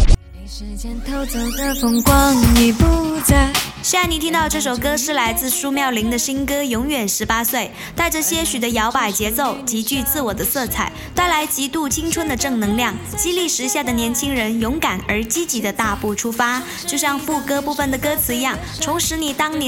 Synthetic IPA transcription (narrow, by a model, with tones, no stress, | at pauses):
ɛ˧˥nt̪ʰo˥˧ʊt͡so˨˩ŋkɤ˥fʊ˧˥˩ŋkwɑ˥ŋni˨˩pu˥˧˩t͡sa˧ɕi˥˧a˥˩ni˨˩t̪ʰi˥ŋt̪ɑ˥˧ʊʈ͡ʂɤ˥˩ʂ̬o˨˩ʊkɤ˥ʂɻ̩˥˩la˧˥ɪt͡sɹ̩˥˧ʂu˥˧mjɑ˥˩ʊli˧˥ŋd̪ə˧ɕi˥nkɤ˥jʊ˧˥ŋɥɛ˨˩nʂɻ̩˧˥pa˥swe˥˩ɪ | t̪a˥˧ɪʈ͡ʂɤ˥˧˩ɕjɛ˥ɕy˨˩d̪ə˦jɑ˧˥ʊpa˨˩ɪt͡ɕjɛ˧˥t͡so˥˩ʊt͡ɕi˧˥t͡ɕy˥˧t͡sɹ̩˥˩wɔ˨˩d̪ə˦sɤ˥˧t͡sʰa˥˩ɪt̪a˥˩ɪla˧˥ɪt͡ɕi˧˥t̪u˥˩t͡ɕʰi˥ŋʈ͡ʂʰwə˥nd̪ə˨ʈ͡ʂɤ˥˩ŋnɤ˧˥ŋljɑ˥˩ŋ | t͡ɕi˥li˥˩ʂɻ̩˧˥ɕja˥˩d̪ə˩njɛ˧˥nt͡ɕʰi˥ŋɻə˧˥njʊ˧˥ŋka˨˩nə˞˧˥t͡ɕi˥t͡ɕi˧˥d̪ə˧t̪a˥˧pu˥˩ʈ͡ʂʰu˥fa˥ | t͡ɕjo˥˧ʊɕjɑ˥˧ŋfu˥˩kɤ˥pu˥˩fə˩nd̪ə˩kɤ˥t͡sʰɹ̩˧˥i˧˥jɑ˥˩ŋ | t̪ʰʊ˧˥ŋʂɻ̩˧˥ni˨˩t̪ɑ˥ŋn˧˥